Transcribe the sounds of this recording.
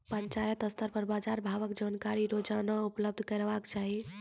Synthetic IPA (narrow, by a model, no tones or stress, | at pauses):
pənt͡ʃajət̪əst̪əɾpəɾbad͡ʒaɾbʱaʋəkd͡ʒankaɾiɾod͡ʒanaupləb̚d̪ʱkəɾbakt͡ʃaɦi